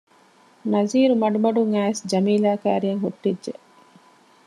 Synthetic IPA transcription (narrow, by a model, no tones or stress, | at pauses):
nɐziːɾumɐɖumɐɖuŋæːesd͡ʒɐmiːlaːka̰ːɾijɐŋɦuʈːidʒeʔ